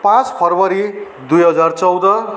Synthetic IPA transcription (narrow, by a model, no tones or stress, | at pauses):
pãt͡spʰʌrbʌɾi | d̪ujɦʌd͡zart͡sʌwd̪ʌ